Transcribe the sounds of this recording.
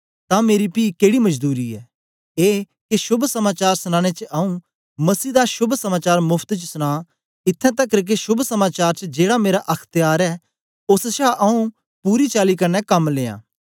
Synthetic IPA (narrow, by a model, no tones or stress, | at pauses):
t̪ãmeːɾipiːkeːɽimɐd͡ʒd̪uːɾiɛ̰ː | eː | kiʃʊbʱsɐmaːt͡ʃaːɾsʊñãːɽ̃et͡ʃəɐːũ | mɐsiːd̪aʃʊbʱsɐmaːt͡ʃaːɾmʊpʰt̪t͡ʃsʊɽ̃a | ɪt̪ʰːɛ̃t̪̬ɐkɾk̬eʃʊbʱsɐmaːt͡ʃaːɾt͡ʃəd͡ʒeːɽameːɾaʔɐkʰt̪ɪjaːɾɛ | oːsʃaːʔɐũ | puːɾit͡ʃaːlikɐɾnɛkɐmleːã̰ː